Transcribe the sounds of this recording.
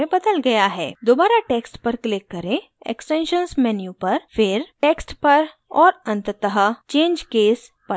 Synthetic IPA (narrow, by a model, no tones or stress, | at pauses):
ẽbɐd̪əlɡɐjaɦɛ̰ːd̪oːbaːɾaʈeːksʈpɐɾklɪkːɐɾẽ | ɛ̰ksʈẽːnʃənsmɛnjupɐɾfɪɾʈeːksʈpɐɾ | ɔːɾɐ̃nt̪t̪əɦət͡ʃẽːɲd͡ʒkeːspɐ